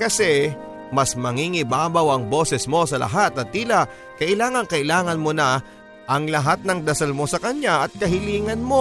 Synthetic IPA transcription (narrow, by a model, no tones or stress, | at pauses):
kɐsɛ | mɐsmɐŋiŋɪbaːbɐwɐŋbo̞sɛsmo̞sɐlɐ̰ɦat̪ɐt̪̚ːiːlɐʔ | kɐʔɪlaːŋɐŋkɐʔɪlaːŋɐnmo̞nɐ | ʔɐŋlɐɦat̪̚nɐŋd̪ɐsalmo̞sɐkɐɲaʔɐt̪̚kɐɦɪliːŋɐnmo̞